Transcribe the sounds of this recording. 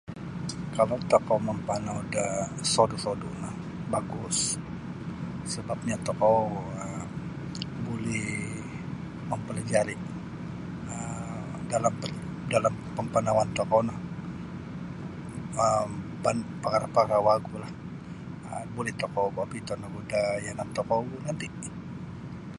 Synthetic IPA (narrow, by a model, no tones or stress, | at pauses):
kalawt̪okɔməmpanaudasodusodunah | baɡʊs | səbap̚ɲat̪okoə | bolɛh | məmpəlad͡ʒaɾi | ə | dalampədalampəmpanawant̪ɔkɔnah | əmpanpaŋaɾapaɾawaɡulah | əbolɛht̪okɔbabit̪ɔnaɡudajanat̪ɔkɔɡunant̪iʔ